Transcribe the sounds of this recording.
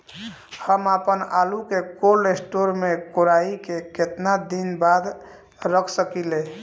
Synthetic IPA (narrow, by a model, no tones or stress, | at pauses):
həmapənalukekolesʈoɾmekoɾaikeket̪nad̪inbad̪ | ɾəkʰsəkile